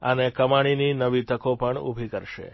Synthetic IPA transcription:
ə̰nekəmaɽ̃ininəʋit̪əkopəɳṵbʱikəɾʃḛ

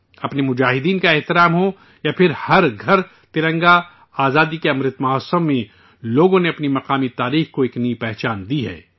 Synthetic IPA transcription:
ɐpnemʊd͡ʒaːɦɪd̪iːnkaeɦt̪ɪɾaːmɦo | japʰɪɾhɐɾɡʱɐɾ | t̪ɪɾə̃ŋɡa | aːzaːd̪ikeɐmɾɪt̪mɐɦɔːsəmːẽ | loːɡõneɐpnimɐqaːmit̪aːɾiːxkoeːknɐipɛɦt͡ʃaːnd̪iɦɛ̰ː

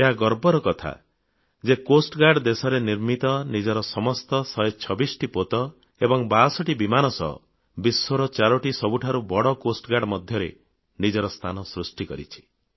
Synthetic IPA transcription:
eɦaɡɔɾbɔɾɔkɔt̪ʰa̰ | d͡ʒekosʈɡaɖd̪esɔɾeniɾmit̪ɔnid͡ʒɔɾɔsɔmɔst̪ɔsɔjt͡ʃʰɔbisʈipot̪ɔ | ebɔŋbasɔʈibimanɔsɔ̰ɦɔ̰ | bisːoɾɔt͡ʃaɾɔʈisɔbuʈʰaɾubɔɽɔkosʈɔɡaɽmɔd̪ʱjɔɾe | nid͡ʒɔɾɔst̪ʰanɔsɾusʈikɔɾḭt͡ʃʰi̥

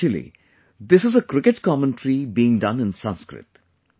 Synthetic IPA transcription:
əlḭ | d̪ɪsɨzəkɾɪkəʈkɔmə̃nʈɾibiːɪ̃ŋɖʌ̃nɪ̃nsʌ̃nskɾɪ̰t

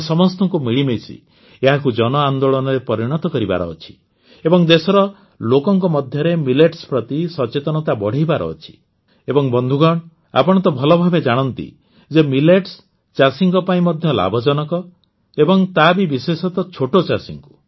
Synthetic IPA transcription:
sɔmɔst̪ɔŋkumiɭimesḭ | eɦakud͡ʒɔnɔand̪oɭɔnɔɾepɔɾiɽ̃ɔt̪ɔkɔɾiba̰ɾɔ̰ːt͡ʃʰi̥ | ebɔŋd̪esɔɾɔ | lokɔŋkɔmɔd̪ʱjɔɾemileʈspɾɔt̪isɔt͡ʃet̪ɔnɔt̪abɔɽ̤ʱijbaɾɔ̰ːt͡ʃʰi̥ | ebɔŋbɔnd̪ʱuɡɔɽ̃ | a̰pɔɽ̃ɔt̪ɔbʱɔlɔbʱabed͡ʒaɽ̃ɔnt̪ḭ | d͡ʒemileʈs | t͡ʃasiŋkɔpaĩmɔd̪ʱjɔla̰bʱɔd͡ʒɔnɔkɔ | ebɔŋt̪abibisesɔt̪ɔt͡ʃʰoʈot͡ʃasiŋku̥

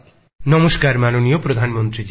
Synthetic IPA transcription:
nɔmoskaɾmanonijopɾod̪ʱanmɔnt̪ɾi

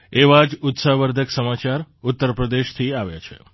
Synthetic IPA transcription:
eʋad͡ʒut̪saɦʋəɾd̪ʱəksəmat͡ʃaɾut̪ːəɾpɾəd̪eʃt̪ʰiaʋja̰t͡ʃʰḛ

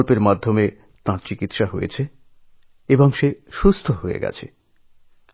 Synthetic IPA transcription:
lpeɾmad̪ʱːome | t̪ãɾt͡ɕikit̪ʃaɦojḛt͡ɕʰe | eboŋʃeʃust̪ʰoɦoḛɡɛ̰t͡ɕʰe

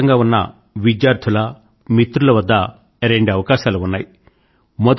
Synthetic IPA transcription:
ɐŋɡaːunːɐ̰ | ʋid͡ʒjaːɾt̪ʰulɐ | mit̪ɾulɐʋɐd̪ːɐ | ɾeɳɖɐʋɐkaːʃaːluunːaːji | mɔd̪

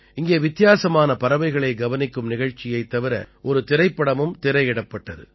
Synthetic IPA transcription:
ɪŋɡeːʋɪt̪ːɪjaːsɐmaːnɐpɐɾɐʋɐɪɣɐɭɐɪɡɐʋɐnɪkːɯmnɪɣɐɻt͡ʃːɪjɐɪt̪ːɐʋɪɾɐ̰ʔɔɾɯt̪ɪɾɐɪpːɐɽɐmɯmt̪ɪɾɐɪɪɽɐpːɐʈːɐðɯ̰

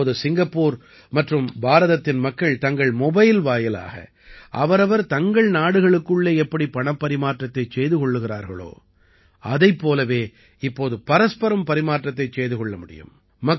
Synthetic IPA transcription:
ðɯsɪŋɡɐpːuːɾ | mɐʈrɯmbaːɾɐðɐt̪ːɪnmɐkːɐɭt̪ɐŋɡɐɭmɔbɐjɪlʋaːjɐla̰ːɣɐ̰ | ʔɐʋɐɾɐʋɐɾt̪ɐŋɡɐɭnaːɽɯɣɐɭɯkːɯɭːeːɛpːɐɽipɐɳɐpːɐɾɪmaːʈrɐt̪ːɐɪt͡ʃejðɯkɔɭːɯɣɪra̰ːɾɣɐ̰ɭo̰ː | ɐðɐɪpːoːlɐʋeː | ɪpːoːðɯpɐɾɐspɐɾɐmpɐɾɪmaːʈrɐt̪ːɐɪt͡ʃːeːjðɯkɔɭːɐmʊɽɪ̰jɯ̰m | mɐ

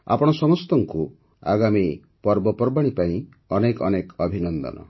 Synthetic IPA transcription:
a̰pɔɽ̃ɔsɔmɔst̪ɔŋku | a̰ɡami | pɔɾbɔpɔɾbaɽ̃ipaĩ | ɔnekɔnekɔbʱinɔnd̪ɔ̰nɔ̰

